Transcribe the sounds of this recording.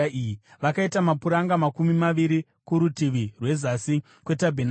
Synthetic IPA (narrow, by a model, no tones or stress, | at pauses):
ijiʋakaitamapuɾaŋɡamakumimaʋiɾi | kuɾutiʋirwe̞zasi | kwe̞tabʱen